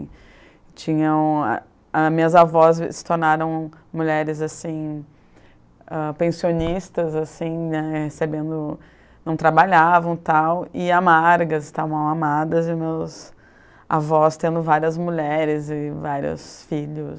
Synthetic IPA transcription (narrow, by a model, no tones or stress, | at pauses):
t͡ʃĩɲɐ̰̃ | amĩɲɐzavɔssɪ̥t̪oɾnaɾɐ̃w̃muʎɛɾɪzasĩ | ɛpẽsionist̪ɐzasĩnɛhesebẽnd̪ʊ | nɐ̃w̃t̪ɾabaʎavɐ̃w̃t̪awɪamaɾɡɐzɪst̪avɐ̃ɐ̃w̃amad̪ɐzɪmews | a̰vɔst̪ẽnd̪ʊvaɾiɐzmuʎɛɾɪzɪvaɾiɐ̰sfiʎʊs